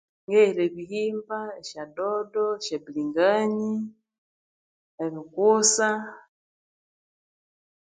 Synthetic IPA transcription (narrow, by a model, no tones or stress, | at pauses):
ŋɡɛɾɛβihimbaeʃadɔdɔʃɛbiliŋɡaɲi | eβikusa